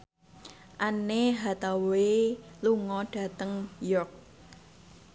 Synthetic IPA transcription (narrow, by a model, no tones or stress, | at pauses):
ʔaneɦat̪aweluŋɔɖ̥ä̤t̪əŋjɔk̚